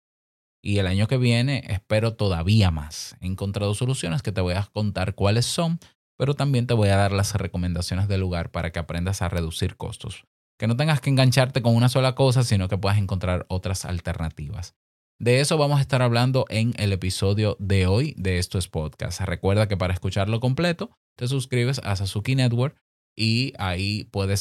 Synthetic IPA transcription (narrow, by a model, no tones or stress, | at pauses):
ielaɲo̞ke̞βje̞ne̞ʔespe̞ɾo̞t̪o̞ðaβiamasḛeŋko̞nt̪ɾaðo̞so̞lusjo̞neske̞t̪eβojako̞nt̪aɾkwale̞sːo̞ŋ | pe̞ɾo̞t̪ambje̞nt̪e̞βo̞jaðaɾlasre̞ko̞mẽnd̪asjo̞nesðe̞lːuɣaɾpaɾʔake̞apɾe̞nd̪asa̰re̞ðusiɾko̞̰st̪o̞̰s | ke̞no̞t̪e̞ŋɡaskeːŋɡaɲt͡ʃaɾt̪e̞ko̞ŋunaso̞lako̞s̬asinokepwe̞ðas̬e̞ŋko̞nt̪ɾaɾo̞t̪ɾasa̰lt̪eɾnat̪iβa̰s | d̪e̞e̞so̞βamos̬aest̪aɾaβland̪o̞ʔe̞ŋe̞le̞piso̞ðjo̞ðe̞o̞jd̪eest̪uespo̞d̪ka̰st̪re̞kwe̞ɾðak̬e̞paɾaeskut͡ʃaɾlo̞ko̞mple̞t̪o̞ | t̪e̞s̬uskɾiβe̞sa̰s̬asukinet̪̚woɾ | iaipwe̞ðe̞s